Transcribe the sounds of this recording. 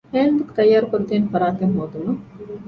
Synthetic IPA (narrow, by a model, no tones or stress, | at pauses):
heːnd̪ukt̪ɐjːaːɾukoɾut̪eːnfɐɾaːt̪eŋɦoːd̪umɐ